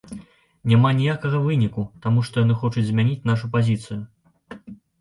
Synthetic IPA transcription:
nʲamanʲijakɐɣɐvɨnʲikut̪amuʂt̪ɔjanɨxɔt͡ʂud͡zʲzʲmʲanʲit͡sʲn̪aʂ̬upazʲit̪sɨju

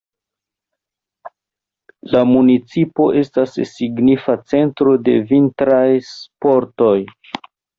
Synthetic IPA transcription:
lamunit͡sipo̞ʔe̞stasːiɡnifat͡se̞ntɾo̞de̞vintɾajspo̞ɾto̞j

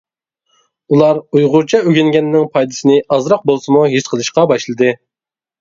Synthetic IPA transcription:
ulˠɑɾujʁʊɾt͡ʃʰɑøɡʲɪŋɡʲɛnːɪŋpʰɑjd̪ɨsɨnɪɑzɾɑq̚bolˠsɨmuɦiʃqʰəlˠɨʃqɑbɑʃlˠɨd̪ɨ

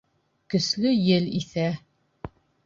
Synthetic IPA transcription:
kɵ̆slɵjɘliθæ

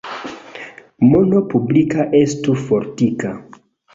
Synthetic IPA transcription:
mo̞no̞publikaʔe̞stufo̞ɾtika

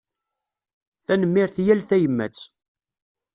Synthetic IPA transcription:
θænəmːɪɾθjælθæjəmːæ̰t͡sː

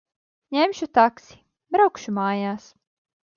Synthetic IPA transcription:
ɲemʃut̪aksi̥ | bɾawkʃumaːjaːs

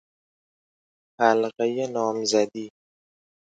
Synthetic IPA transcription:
halqajenɔːmzad̪i

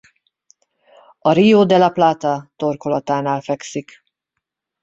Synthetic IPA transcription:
ɒɾijoːd̪ɛlɒplaːt̪ɒt̪o̞rkolɒt̪aːnaːlfɛksik

